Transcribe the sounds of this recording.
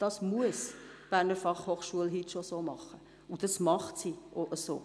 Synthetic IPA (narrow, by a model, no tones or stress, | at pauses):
d̥ɑsmuəsb̥æːɾnəfɑχhoːχʃuəlɦitʃosoːmɑχə | ud̥ɑsmɑχtsiːʔoʔəso̰ː